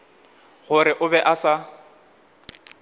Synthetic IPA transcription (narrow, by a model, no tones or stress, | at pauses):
ɣʊɾɪʔʊbɛʔasa